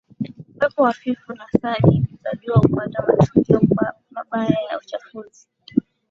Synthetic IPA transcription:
wɛpɔwafifunasaɗiitaɓiwaupandawat͡ʃuɡiɔka | maɓajaja̰ut͡ʃafuzi

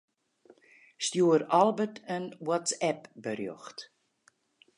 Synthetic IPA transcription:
stjuəɾɔlˠbətənwɔtsɛpbərjɔ̰xt

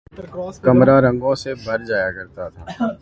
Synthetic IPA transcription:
kɐmɾaɾə̃ŋɡõsebʱɐɾd͡ʒaːjakɐɾt̪at̪ʰaː

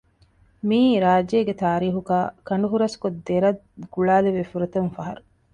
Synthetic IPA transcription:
miːɾaːd͡ʒeːɡet̪aːɾiːɦuɡaːkɐɳɖuɦuɾɐskod̪ːeɾɐd̪ɡ̥uɭaːleʋefuɾɐt̪ɐnfɐɦɐɾu

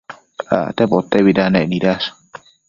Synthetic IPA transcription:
a̰t̪ɛbɔt̪ːɛbidanɛnidas

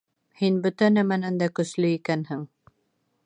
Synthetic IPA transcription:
hinbɵt̪ænæmænænd̪ækɵ̆slɵikænhɘŋ

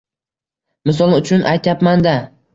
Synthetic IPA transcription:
mɪs̬ɒlˠʊt͡ʃʰʊnʔa̰jt̪ʰjapmand̪a

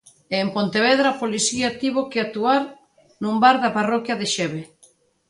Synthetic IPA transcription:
eːmpont̪eβ̞ɛðɾaːpoliθiat̪iβokeat̪uaɾ | numbaɾðɐparɔkjɐðeʃɛβe

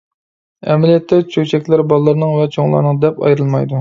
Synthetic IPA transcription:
ɛ̰mɪlijɛt̪ʰːɛt͡ʃʰøt͡ʃʰɛkʲlæɾbɑlˠlːˠɨɾnɨŋvɛt͡ʃʰoŋlˠɑ̰ɾnɨŋd̪ɛpɑ̰jɾɨlˠmɑjd̪u

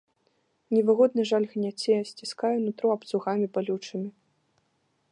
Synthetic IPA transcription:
nʲɛvɨɣɔd̪nɨʐalʲɣnʲat͡sʲɛjɐsʲt͡sʲiskajɛnut̪ɾuɐpt̪suɣamʲibalʲut͡ʂɨmʲi

